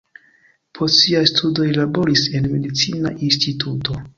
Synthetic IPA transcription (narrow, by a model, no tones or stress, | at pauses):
pʰostsiajstʰudo̞jlabo̞ɾise̞nme̞dit͡sina̰ʔinstitʰuto̞